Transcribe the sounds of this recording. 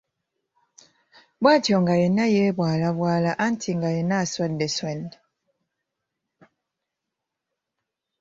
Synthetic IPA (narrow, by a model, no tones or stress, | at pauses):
bwatjɔŋɡajɛnajɛbwalabwalaʔan̩tʰiŋɡajɛnaswɛndɛswɛnd